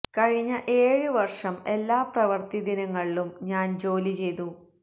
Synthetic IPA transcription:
kɐɻiɲːɐʔe̞ːɻɨʋɐrʂɐme̞lːaːprɐʋɐrt̪id̪inɐŋːɐɭilumɲaːnd͡ʑo̞ːlit͡ɕe̞jt̪u

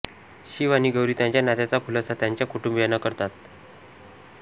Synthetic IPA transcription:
ɕiʋaniɡəwɾiːt̪jãɲt͡ɕjanat̪jat͡sapʰulət͡sat̪jaɲt͡ɕjakʰuʈumbjanakəɾt̪at̪̚

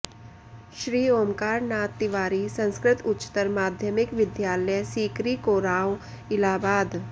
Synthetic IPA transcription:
ʃɾiːoːmkaːɾnaːt̪ːɪʋaːɾisə̃nskɾɪt̪ʊtːt͡ʃːt̪əɾmaːd̪ʱjəmɪkʋɪd̪jaːləjsiːkɾiːkoːɾaːw | ɪlaːbaːd̪

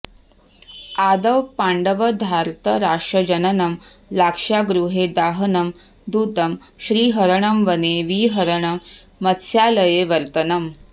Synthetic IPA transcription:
ad̪əʋpaɳɖəʋəd̪ʱaɾt̪əɾaːʂʈɾɐd͡ʑɐnənɐmlakʂaɡɾuɦed̪aːɦənɐm | d̪uːt̪əm | ɕɾiːɦəɾəɳɐmʋəneʋiɦəɾəɳ̃ɐmːət̪sjaləjeʋɐɾt̪ənɐm

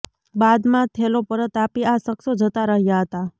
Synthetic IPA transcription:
bad̪mãt̪ʰelopəɾət̪apiasəksod͡ʒət̪aɾəɦjaɦət̪a

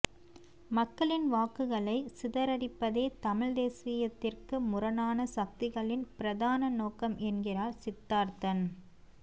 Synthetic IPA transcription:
mɐkːɐɭɪnʋaːkɯɣɐɭɐɪsɪðɐɾɐɽɪpːɐðeːt̪ɐmɪɻd̪eːsɪjɐt̪ːɪrkɯmʊrɐnaːnɐsɐk̚t̪ɪɣɐɭɪnpɪɾɐðaːnɐnoːkɐmʔɛnɡɪraːɾsɪt̪ːaːɾt̪ɐn

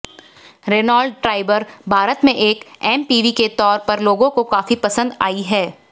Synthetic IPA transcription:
ɾenaːlɖ̚ʈɾaːɪbəɾbʱaːɾət̪mẽʔeːkɛːmpiːʋiket̪ɔːɾpɐɾloːɡõkokaːfipɐsə̃nd̪a̰ːiɦɛː

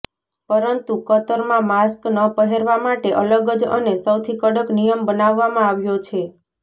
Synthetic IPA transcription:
pəɾənt̪ukət̪əɾmãmasknəpəɦeɾʋamaʈeʔələɡəd͡ʒə̰nesəwt̪ʰikəɽəknijəmbənaʋːamãaʋjot͡ʃʰe

